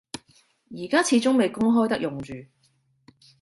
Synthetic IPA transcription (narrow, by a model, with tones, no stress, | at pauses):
jiː˨˩kaː˥t͡sʰiː˨˧t͡sʊ˥ŋme˨˧jkʊ˥ŋɦɔː˥jt̪ɐ˥k̚jʊ˨ŋt͡ʃyː˨˩